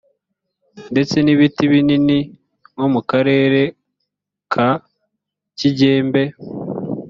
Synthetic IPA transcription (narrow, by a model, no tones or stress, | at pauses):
nde̞t͡se̞niβitiβinini | momukaɾe̞ːɾe̞ | kʰa | ciɟe̞ːmbe̞